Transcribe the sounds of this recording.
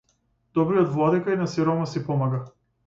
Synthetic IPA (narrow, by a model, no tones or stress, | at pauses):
d̪ɔbɾijɔt̪vlˠɔd̪ikajnasiɾɔmasipɔmaɡa